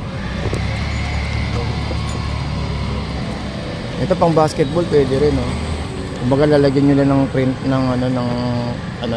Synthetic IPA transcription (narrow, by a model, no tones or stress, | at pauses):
ʔɛt̪o̞pɐŋbaːskɛt̪̚bolpwɛːd̪ɛɾɛno | kʊmbɐɡalalɐɡɪɲolanɐŋpɾɪnt̪nɐŋɐno̞nɐŋ | ʔɐno